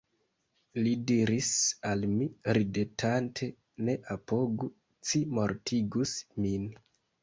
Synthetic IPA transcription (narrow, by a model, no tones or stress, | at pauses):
lidiɾisalmiɾidetʰantʰe̞ | ne̞ʔapo̞ɡu | t͡simo̞ɾtʰiɡusmin